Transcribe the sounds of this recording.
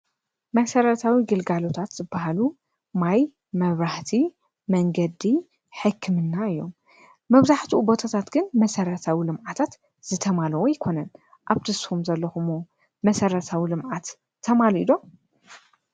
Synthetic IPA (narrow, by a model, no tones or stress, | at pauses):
mɐsɐɾɐt̪ʰawiɡɨlɡalo̞t̪ʰat̪z̥ɨbːaɦalu | maj | mɐβɾaht̪ʰi | mɐŋɡɐd̪i | ħɨkʰːɨmɨnːaɨjːo̞̰mː | ɐβzaħt̪ʰiubo̞t̪ʰat̪ʰat̪ɡɨnmɐsɐɾɐt̪ʰawilɨmʔat̪ʰat̪ | z̥ɨt̪ʰɐmalɐwojɪkʰo̞nɐn | ʔaβt̪ʰɨshumzɐlːɐxumo | mɐsɐɾɐt̪ʰawilɨmʕat̪ʰː | ɐmaluʔḭlo̞m